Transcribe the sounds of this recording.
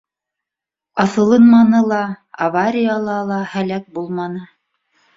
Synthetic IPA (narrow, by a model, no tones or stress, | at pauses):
ɑθɤ̆lˠɤnmɑnɤlˠɑ | avaɾʲijɑlˠɑlˠɑhælæk̚bulˠmɑnɤ